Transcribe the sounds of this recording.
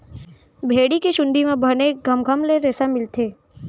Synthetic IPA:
bʱeːɽikeʃʊ̃nd̪ʱimẽbʱəɾneɡʱəmɡʱəmleɾeːsamɪlt̪ʰeː

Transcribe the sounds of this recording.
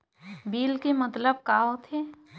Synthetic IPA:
biːlkemɐt̪ləb̚kaːɦot̪ʰeː

